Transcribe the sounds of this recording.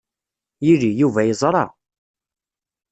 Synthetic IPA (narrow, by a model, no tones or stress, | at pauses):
jilijuvæjəzˤɾˤɑ